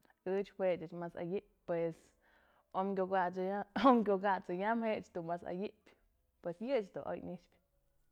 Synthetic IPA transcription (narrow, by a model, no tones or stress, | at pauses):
ɨt͡ʃhwet͡ʃɨt͡ʃmasa̰jiʔp̚ʲpwes | omkʲoɡaomkʲoɡat͡sɨjamhet͡ʃd̪umasa̰jiʔpʲ | pwesjɨt͡ʃd̪ṵʔo̰jnit͡ʃpʲ